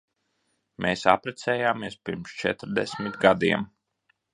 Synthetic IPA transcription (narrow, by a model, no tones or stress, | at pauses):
mʔeːsa̰pɾɛt̪sɛːjaːmiɛspʲiɾmst͡ʃɛ̰t̪ɾd̪ɛsmʲit̪ɡad̪iɛm